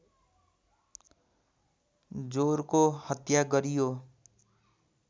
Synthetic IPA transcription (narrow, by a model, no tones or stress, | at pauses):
d͡zoɾkohʌt̪jaɡʌɾijo